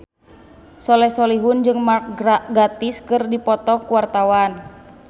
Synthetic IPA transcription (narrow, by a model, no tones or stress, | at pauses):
sɔlɛsɔliɦund͡ʒɨŋmak̚aɡat̪iskɨrdipɔt̪ɔkuwart̪awan